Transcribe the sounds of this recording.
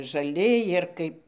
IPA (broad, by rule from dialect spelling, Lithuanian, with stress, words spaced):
ʒɐˈlʲɪ ˈjɪr kɐɪp